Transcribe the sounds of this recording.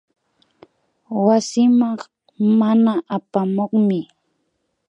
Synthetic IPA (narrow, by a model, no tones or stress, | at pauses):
wasɪmɑq | manaʔapamoχmɪ